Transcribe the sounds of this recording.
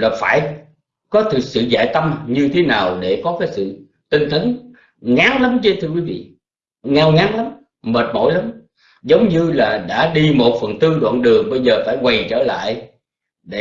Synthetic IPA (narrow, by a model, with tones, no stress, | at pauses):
laː˨˩faː˧˩j | kɔ˨˦t̪ʰɨ˨˩k̚sɨ̰˧˨za̰ː˧˨jt̪ə˧mɲɨ˧t̪ʰe˨˦naː˨˩wɗe˧˩kɔ˨˦kaː˨˦jsɨ̰˧˨ | t̪i˧ŋ̟t̪ə˨˦n | ŋaː˨˦ŋla˨˦mt͡ɕe˧˦t̪ʰɨ˧əkwi˨˦vḭ˧˨ | ŋaː˧wŋaː˨˦ŋla˨˦m | məː˨˩t̚mo̰˧˥jla˨˦m | zə˨˦wŋ͡mɲɨ˧laː˨˩ɗa̰ː˧˥ɗi˧mo˨˩t̚fə˨˩nt̪ɨ˧ɗwa̰ː˧˨nɗɨ˨˩əŋɓə˧jzəː˨˩faː˧˩jkwa˨˩jt͡ɕəː˧˩la̰ː˧˨j | ɗe˧˩